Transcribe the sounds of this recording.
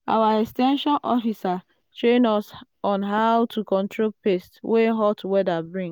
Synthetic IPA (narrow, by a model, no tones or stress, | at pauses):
a̰waɛkstɛ̃nʃɔ̃nʔɔfisa | tɹẽnɔsɔ̃nɦawtʰukɔ̃ntʰɹopestwʔeɦɔtwɛdabɹĩŋ